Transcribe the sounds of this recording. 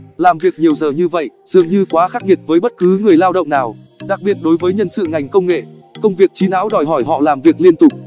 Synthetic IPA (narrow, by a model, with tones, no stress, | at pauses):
laː˨˩mvi˨˩ək̚ɲi˨˩əwzəː˨˩ɲɨ˧və̰˧˨jz̥ɨ̰˧˨əŋɲɨ˧kwaː˨˦xaː˦˥k̚ŋi˨˩ət̚vəː˨˦jɓə˦˥t̚kɨ˨˦ŋɨ˨˩əjlaː˧wɗə̰˧˨wŋ͡mnaː˨˩w | ɗa˨˩k̚ɓi˨˩ət̚ɗo˨˦jvəː˨˦jɲə˧nsɨ̰˧˨ŋa˨˩jŋ̟kə˧wŋ͡mŋḛ˧˨ | kə˧wŋ͡mvi˨˩ək̚t͡ɕi˨˦na̰ː˧˥wɗɔ˨˩jɦɔ˧˩jɦɔ̰˧˨laː˨˩mvi˨˩ək̚li˧ənt̪ʊ˨˩k͡p̚